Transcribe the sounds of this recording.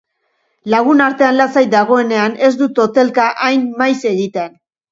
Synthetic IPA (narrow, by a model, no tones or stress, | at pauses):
laɣ̞unaɾt̪e̞anlat͡sajd̪aɣ̞o̞e̞ne̞ane̞zd̪ut̪o̞t̪e̞lkaʔajnːajse̞ɣit̪ean